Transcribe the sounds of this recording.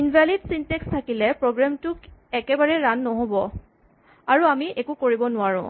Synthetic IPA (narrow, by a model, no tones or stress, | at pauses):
inbʱalidsintekstʰakilɛpɹoɡɹamtʊkɛkɛbaɹɛɹanːɔɦobɔ | aɹuamiʔekukoɹibɔnʊaɹʊ̰̃